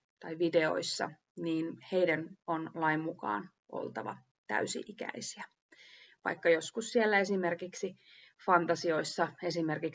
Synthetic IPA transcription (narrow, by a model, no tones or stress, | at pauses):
t̪ɑjʋideo̞̰isːɑ̰ | niːnheidænonlɑimmukɑ̰ːn | ʔo̰lˠt̪ɑʋɑ̰ | t̪æ̰ysḭʔikæ̰isiæ | ʋɑ̰ikːɑjoskussielːæesimerkiksi | fɑnt̪ɑsio̞isːɑe̞simerkik